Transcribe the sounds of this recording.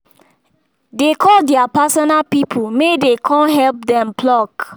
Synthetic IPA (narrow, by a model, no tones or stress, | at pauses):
dekʰɔldɛapasɔnapipʰumedekʰɔ̃nɦɛlp̚dɛ̃mplɔk